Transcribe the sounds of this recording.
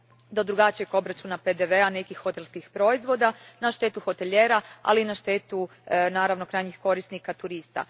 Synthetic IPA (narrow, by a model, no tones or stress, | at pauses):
d̪o̞d̪ɾuɡat͡ʃijeko̞bɾat͡ʃunape̞d̪eʋe̞ane̞kixːo̞t̪e̞lˠskixpɾo̞izʋo̞d̪anaʃt̪e̞ːt̪uxo̞t̪eʎeɾaa̰linaʃt̪e̞ːt̪unaːɾaʋno̞kɾaːjɲixko̞ɾisnikat̪uɾist̪a̰